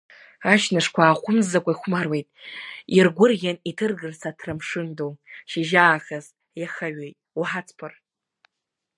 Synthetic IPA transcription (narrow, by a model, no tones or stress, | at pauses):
aʃnaʂkʷʰaːχʷʊmzakʷʼaiχʷmarwe̞jtʼirɡʷʊrɣʲanitʰɨrɡɨrsatʰrɨmʂɨndowʃiʒaːxaz | jaχaɥejtʼwħat͡sʰpʰɨr